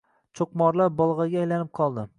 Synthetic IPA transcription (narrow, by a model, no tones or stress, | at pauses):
t͡ʃʰoqmɒɾlaɾbɒlˠʁɑɡʲaːjlanɪp̚qʰɒlˠd̪ɪ